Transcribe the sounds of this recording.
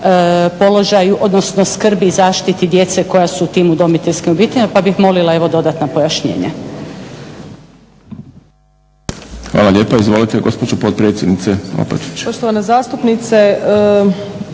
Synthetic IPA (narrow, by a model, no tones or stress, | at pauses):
po̞lo̞ʒajuʔo̞d̪no̞sno̞skr̩bizaːʃt̪it̪id̪je̞t̪se̞ko̞jasuːt̪iːmud̪o̞mit̪eʎʲskimobiːt̪eʎmapabixmo̞lilˠae̞ʋo̞d̪o̞d̪at̪napo̞jaʃɲḛːɲa̰ | xʋa̰ːlˠaʎe̞ːpaizʋo̞lit̪eɡo̞spod͡ʒopot̪̚pɾeːt̪sʲjed̪nit̪seo̰pet̪it͡ɕpoʃt̪oʋanezaːst̪upnit̪se